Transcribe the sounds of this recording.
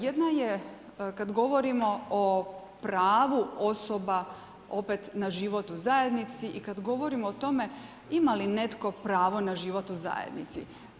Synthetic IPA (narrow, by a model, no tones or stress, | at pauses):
jed̪naje | kad̪ɡo̞ʋo̞ɾimo̞o | pɾaːʋuo̞soba | o̞pet̪naʒiʋo̞t̪uzaje̞d̪nit̪siʔikad̪ɡo̞ʋo̞ɾimoot̪o̞me̞ | imaline̞t̪ko̞pɾaːʋo̞naʒiʋot̪uza̰jḛd̪nit̪sḭ